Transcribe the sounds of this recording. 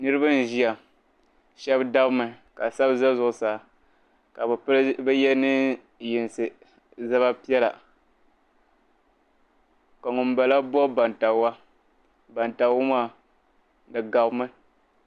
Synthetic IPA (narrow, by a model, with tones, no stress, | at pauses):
nɨ˦ɾɨ˦ba˦n˦˨ʒi˦a˨ | ʃɛ˦bda˦bmɨ˨ | ka˨sa˦bza˦zʊ˨ʔʊ˨saː˨ | ka˨bbɛ˦jɛ˦nɨ˦ | ji˨n˨sɨ˨ | za˦βa˦pi˦ɛ˦la̰˨ | ka˨ŋʊ˨m˦ba˨la˦bɔ˦ba˨nta˨˦wa˦ | ba˨nta˨wʊ˦ma˦˨ | dɨ˨ɡa˨bmɨ˦